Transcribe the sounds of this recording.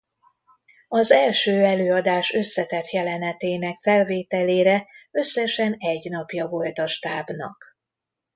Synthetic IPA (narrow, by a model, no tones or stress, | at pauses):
ɒzɛlʃøːɛløːɒd̪aːʃø̞sːɛt̪ɛt̪jɛlɛnɛt̪eːnɛkfɛlveːt̪ɛleːɾɛø̞sːɛʃɛnɛɟnɒpjɒvo̞lt̪ɒʃt̪aːbnɒ̰k